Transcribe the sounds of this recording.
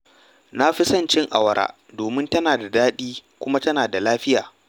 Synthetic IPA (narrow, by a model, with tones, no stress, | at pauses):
na˦ɸɪ˦sɐ˦˨nt͡ʃɪ˦ŋʔa̰˨wɐ˨ɾʔa̰ː˦ | doː˨mɪ˦ntɐ˦naː˨da˨daː˦ɗiː˦kʷʊ˦ma˦tɐ˦naː˨da˨laː˦ɸɪ˦jaː˨